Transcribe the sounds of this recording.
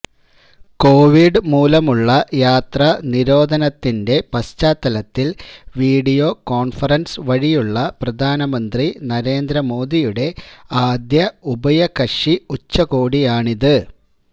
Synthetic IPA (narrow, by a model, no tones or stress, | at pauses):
ko̞ːʋiɖɨmuːlɐmuɭːɐjaːt̪rɐniɾo̞ːd̪ʱɐnɐt̪ːinde̞pɐst͡ɕaːt̪ːɐlɐt̪ːilʋiːɖijo̞ːko̞ːɳfɐrɐnsɨʋɐɻijuɭːɐprɐd̪ʱaːnɐmɐnd̪rinɐɾe̞ːnd̪ɾɐmo̞ːd̪ijuɽe̞aːd̪jɐubɐjɐkɐʂiut͡ɕːɐkoːɽijaːɳiðɨ